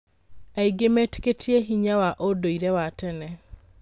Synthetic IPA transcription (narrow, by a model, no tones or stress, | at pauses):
aiɡemete̥ketieɦiɲawaʔodoiɾɛwatɛnɛ